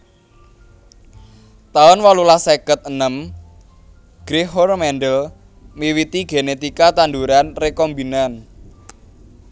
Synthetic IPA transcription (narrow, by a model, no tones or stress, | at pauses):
t̪aʊnwalulasekət̪̚ənəm | ɡ̥ɾiɦɔrmɛnɖəl | miwit̪iɡ̥enet̪ikat̪and̪uɾanrekɔmbinan